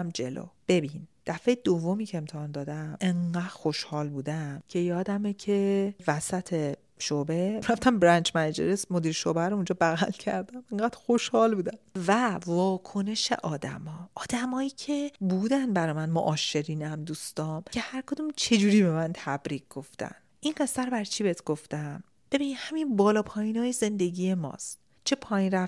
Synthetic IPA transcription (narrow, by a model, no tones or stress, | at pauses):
md͡ʒe̞̰lo̰ːb̥e̞bind̪̥æfejd̪ovːo̞miːcʰeːmt̪ʰehɒːnd̪ɒːd̪æme̞ŋɢæːdxoʃhɒːlbuːd̪æmcʲʰe̞jɒːd̪æmecʰevæsæt̪ʰe̞ | ʃobe̞ɾæft̪ʰæmbɾænt͡ʃʰmænæd͡ʒḛɾesmod̪iːɾʃobæɾoũnd͡ʒɒːbæɣæ̰lcʰæ̰ɾd̪æmeŋɡæːd̪̥xo̞ʃhɒːlbuːd̪æmvævɒːkʰo̞ne̞ʃe̞̰ʔɒːd̪æ̰mɒːɒːd̪̥æmɒːjiːcʰe̞buːd̪ænd̪bæɾɒmænmo̰ʔɒːʃe̞ɾiːnæmd̪uːst̪ɒːmcʰe̞hæɾkʰod̪umt͡ʃʰe̞d͡ʒuɾiːbemænt̪ʰæbɾiːkɡo̞ft̪æ̰nd̪ʔinɢe̞st̪æɾobæɾt͡ʃʰibeet̪ʰɡ̥o̞ft̪æm | b̥e̞biːnid̪hæminbɒːlɒːpʰɒːjinɒːjeze̞nd̪e̞ɟiːje̞mɒ̰ːst̪ | t͡ʃʰe̞pʰɒːjinɾæ